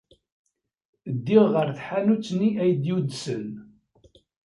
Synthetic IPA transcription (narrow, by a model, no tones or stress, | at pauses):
d̪ːiʁʁəɾθħanut͡sːniʔæjd̪jud̪sən